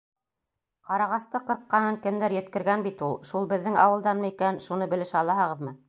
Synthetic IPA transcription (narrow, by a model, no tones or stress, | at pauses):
qɑɾɑʁɑst̪ɤqɤ̆ɾqːɑnɤŋkɘ̆md̪æɾjɘ̆t̪kɘ̆ɾɡænbit̪ulˠʃulˠbɘ̆ðːɘŋɑ̰wɤ̆lˠd̪ɑnmɤikænʃun̪ɤbɘ̆lɘʃɑlˠɑɦɤʁɤ̆ðmɤ